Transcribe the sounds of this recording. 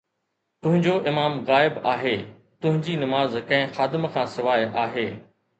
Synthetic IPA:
t̪ʊ̃ɦɪ̃ɲd͡ʑoʔɪmaːmɣaːɪbaːɦeː | t̪ʊɦɪ̃ɲd͡ʑinɐmaːzkɐ̃ɦɪ̃xaːd̪ɪmkʰãːsɪʋaːjaːɦeː

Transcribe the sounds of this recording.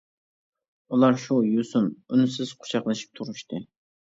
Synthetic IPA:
ulˠɑɾʃujusununysɪz̥qʰʊ̥t͡ʃʰɑχlˠɨʃi̥p̚t̪ʰuɾuʃt̪ɨ

